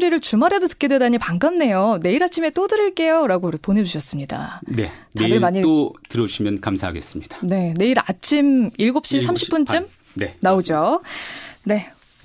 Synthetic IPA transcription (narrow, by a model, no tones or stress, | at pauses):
ɾiɾɯɭt͡ɕumaɾe̞dotɯ̥k͈e̞dwedaɲipaŋɡamne̞jone̞iɾat͡ɕʰime̞t͈odɯɾɯɭk͈e̞joɾaɡopone̞d͡ʑuɕʰʌs͈ɯmɲida̰ne̞ | neaɯɭmaɲiotɯɾʌuɕʰimjʌnkamsʰaɦaɡe̞̰s͈ɯmɲid̥ane̞ne̞iɾat͡ɕʰimiɭɡop̚ɕ͈isʰamɕʰi̥p͈unt͡ɕ͈ɯm | nenaod͡ʑo | ne̞